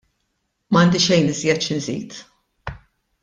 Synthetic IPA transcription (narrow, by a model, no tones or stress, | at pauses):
mɐːnd̪ɪʃɛjnɪzjɛt̪ʃɪnzḭːt̪